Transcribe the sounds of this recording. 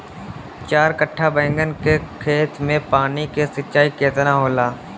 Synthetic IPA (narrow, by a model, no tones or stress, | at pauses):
t͡ʃaːɾkəʈʰːabɛ̃ːŋɡənkekʰeːt̪mẽpaːnikesɪtːʃaːikeːt̪naɦoːlaː